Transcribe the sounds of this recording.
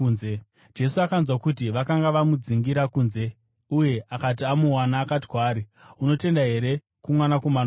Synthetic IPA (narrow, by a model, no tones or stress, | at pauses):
nze | d͡ʒe̞suakanzwakutiʋakaŋɡaʋamud͡ziŋɡiɾakuːnze̞ | uje̞ʔakat̬iamuwanaːkati̥kwaːɾi | uno̞te̞ndaɦe̞ɾe̞ | kumwanako̞mana